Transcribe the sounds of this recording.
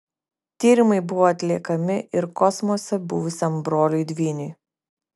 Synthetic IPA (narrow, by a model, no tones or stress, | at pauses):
t̪ʲiːɾʲɪmɐɪbʊʋoːɐt̪ʲlʲiɛkɐmʲɪʔɪɾkɔsmɔsʲɛbʊʋʊsʲɛmbɾoːlʲuɪd̪ʲʋʲiːnʲʊj